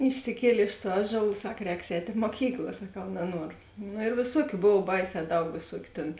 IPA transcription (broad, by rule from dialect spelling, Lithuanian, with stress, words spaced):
ɪʃʲsʲɪˈkʲiɛlʲeː ɪʃ tuɔ ˈɑːˌʒuɔlˠ ˈsɐk ˈrʲɛːks ˈɛːtʲ ɪ moːˈkʲiːklˠɐ sɐˈkɐʊ nɐˈnuɔrʊ ˈnʊ eːr ʋʲeːˈsuɔkʲʊ ˈboːw ˈbɐɪˌsʲɛː ˈdɐʊk ʋʲeːˈsuɔkʲʊ tʲeːn